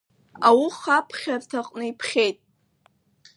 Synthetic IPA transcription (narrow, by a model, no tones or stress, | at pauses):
awuχapʰχʲartʰaqʼnɨipʰχʲejtʼ